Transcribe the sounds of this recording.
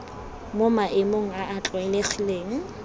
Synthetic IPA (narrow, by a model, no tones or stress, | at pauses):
momaʔɪmoŋ̩aʔːt͡ɬʼwaɛleχileːŋ̩